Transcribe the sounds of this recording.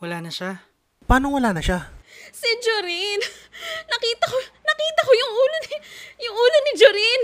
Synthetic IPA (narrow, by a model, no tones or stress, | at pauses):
wɐlaːnɐʃa | paːnowɐlaːnɐʃasɪd͡ʒoɾinnɐkiːt̪ɐkonɐkiːt̪ɐkojʊŋuːlonɪjʊŋʔuːlonɪd͡ʒoɾin